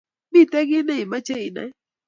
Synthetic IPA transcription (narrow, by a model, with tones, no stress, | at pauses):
mi˦˨tɛ˦ɡɪ˦nɛ˦i˨ma˦t͡ʃe˦i˨na̰˨˦